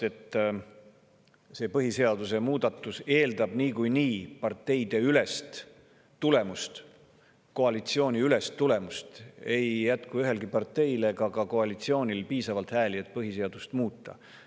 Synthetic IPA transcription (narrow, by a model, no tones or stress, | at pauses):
e̞t̪ːˑ | se̞ːpɤɦise̞ɑd̪use̞muːd̪̥ɑt̪ːˑuse̞ːld̪̥ɑb̥niːkujniːpɑrt̪ːe̞jd̪̥e̞ylest̪ː | ule̞must̪ | ko̞ɑlit̪sio̞ːnʲiyle̞st̪ːule̞must̪e̞jjæt̪kuyɦe̞lɡipɑrt̪ːe̞jle̞kɑkɑko̞ɑlit̪sio̞ːnʲilpiːsɑvɑlt̪hæːliet̪̚ːpɤɦise̞ɑd̪̥ust̪muːt̪ːˑɑ̰